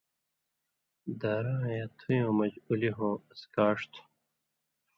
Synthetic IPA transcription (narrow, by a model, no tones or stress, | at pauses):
d̪aːɾãːjɐt̪ʰujõːmɐd͡ʑuliɦõːɐskaːʂt̪ʰu̥